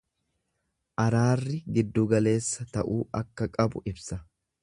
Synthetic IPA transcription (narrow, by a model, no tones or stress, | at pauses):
ʔɐɾaːrːɪɡɪd̪ːuːɡɐle̞ːsːɐt̪ɐʔuːɐkːɐkʼɐbʊʔɪbsɐ